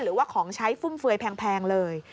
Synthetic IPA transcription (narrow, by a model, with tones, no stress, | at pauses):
ɾɯː˩˦waː˥˩kʰɔː˩˦ŋt͡ɕʰa˦˥jfu˥˩mfɯ˧əjpʰɛː˧ŋpʰɛː˧ŋlɤː˧j